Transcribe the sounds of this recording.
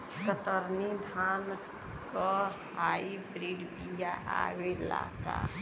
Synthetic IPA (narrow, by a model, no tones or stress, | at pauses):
kət̪əɾnid̪ʱan | kɔhaibɾiɖbijaʔa̰wela̰ka̰